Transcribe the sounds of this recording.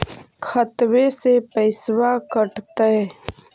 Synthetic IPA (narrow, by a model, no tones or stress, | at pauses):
kʰət̪wesepəɪswakəʈt̪əe